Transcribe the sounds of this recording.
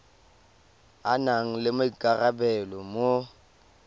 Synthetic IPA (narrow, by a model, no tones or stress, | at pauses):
anaŋ̩lɪmoikʼarabɛlɔmo